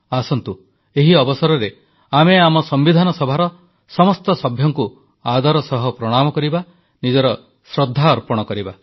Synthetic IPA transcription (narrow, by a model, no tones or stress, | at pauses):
asɔnt̪u | eɦiɔbɔsɔɾɔɾe | ameamɔsɔmbid̪ʱanɔsɔbʱaɾɔ | sɔmɔst̪ɔsɔbʱjɔŋku | ad̪ɔɾɔsɔɦɔpɾɔɽ̃amɔkɔɾiba | nid͡ʒɔɾɔ | sɾɔd̪ʱːaɔɾpɔɽ̃ɔkɔɾiba